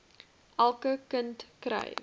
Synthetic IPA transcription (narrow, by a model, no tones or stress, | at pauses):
ʔælˠkəkəntkɾɐ̰j